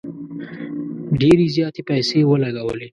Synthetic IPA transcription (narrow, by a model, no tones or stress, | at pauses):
ɖeɾizjɑːt̪epɛjsewəlaɡawə̰le